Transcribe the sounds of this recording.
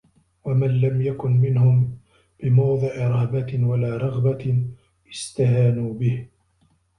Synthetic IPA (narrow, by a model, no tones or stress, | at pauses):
wamanlamjakʊnmɪnhʊm | b̥ɪmawðˤɨʔɪɾˤɑbawalaːɾˤɑɣba | ʔɪst̪ahaːnuːbɪh